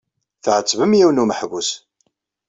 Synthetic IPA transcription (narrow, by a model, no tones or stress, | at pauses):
θʕət͡sːvəmjiwnuməħvus